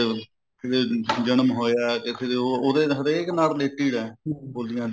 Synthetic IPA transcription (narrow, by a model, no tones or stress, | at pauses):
kɪɽeːd͡ʒənəmɦoːjaːkɪt̪ʰeeooːd̪eɦəɾeknaːlleːʈiːɽɛːboːld̪ijãːd̪